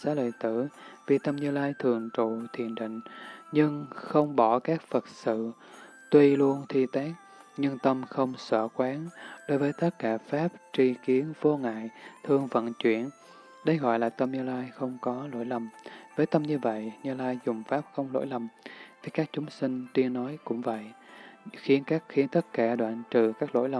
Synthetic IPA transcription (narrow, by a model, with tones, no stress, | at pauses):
saː˧˦˥lə̰ː˧˨jt̪ɨ˧˩vi˨˩t̪ə˧mɲɨ˧laː˧jt̪ʰɨ˨˩əŋt͡ɕṵ˧˨t̪ʰḭ˧˩˨ənɗḭ̈˧˨ŋ̟ɲɨ˧ŋxə˧wŋ͡mɓɔ˧˩kaː˦˥k̚fə˨˩t̚sɨ̰˧˨ | t̪wi˧lu˧ənt̪ʰi˧t̪aː˦˥k̚ | ɲɨ˧ŋt̪ə˧mxə˧wŋ͡msə̰ː˧˩kwaː˨˦nɗo˨˦jvəː˨˦jt̪ə˦˥t̚kaː˧˩faː˦˥p̚t͡ɕi˧ki˨˦ənvo˧ŋa̰ː˧˨jt̪ʰɨ˧əŋvə̰˧˨nt͡ɕwḭ˧˩˨ən | ɗə˧jɣɔ̰˧˨jlaː˨˩t̪ə˧mɲɨ˧laː˧jxə˧wŋ͡mkɔ˨˦lo̰˧˥˨jlə˨˩mvəː˨˦jt̪ə˧mɲɨ˧və̰˧˨jɲɨ˧laː˧jzʊ˨˩ŋ͡mfaː˦˥p̚xə˧wŋ͡mlo̰˧˥jlə˨˩mt̪ʰi˨˦kaː˦˥k̚t͡ɕʊ˨˦ŋ͡msï˧ŋ̟t̪wi˧ənːɔ˨˦jkʊ̰˧˥ŋ͡mvə̰˧˨j | xi˨˦ənkaː˦˥k̚xi˨˦ənt̪ə˦˥t̚kaː˧˩ɗwa̰ː˧˨nt͡ɕɨ̰˧˨kaː˦˥k̚lo̰˧˥jlə˨˩